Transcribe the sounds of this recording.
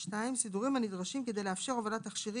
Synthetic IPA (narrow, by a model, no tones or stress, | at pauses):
ʃtaimsiduʁimhanid̪ʁaʃimke̞d̪ejleafʃe̞ʁovalat̪aχʃiʁi